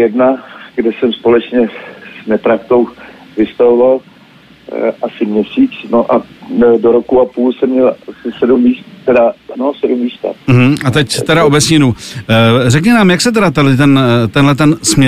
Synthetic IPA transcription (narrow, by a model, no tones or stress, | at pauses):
jɛdnaɡdɛsɛmspo̞lɛt͡ʃɲɛz̥nɛt̪ɾak̚t̪owvɪst̪avoval | ʔasɪmɲɛsiːt͡snoʔadoɾokuʔapuːlsɛmɲɛlasɪsɛdumːiːst̪t̪ɛdanosɛdumːist̪a̰m̩ɦm̩ʔat̪ɛcst̪ɛɾaobɛsɲɪnuː | rɛkɲɛnaːmjaksɛt̪ɛdat̪alɪt̪ɛnt̪ɛnɦlɛt̪̬ɛnsmɲɛ